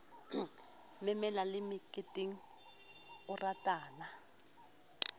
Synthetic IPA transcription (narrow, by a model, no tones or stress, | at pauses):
mɛmɛlalɪmɪkʼɪtʼiŋ̩ | ʊratʼaːna